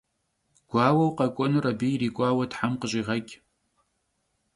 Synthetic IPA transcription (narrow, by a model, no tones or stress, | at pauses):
ɡ̥ʷaːwɐwqʼɐkʷʼɔnɨrabirikʷʼaːwadħamqəɕʼiʁakʲʼ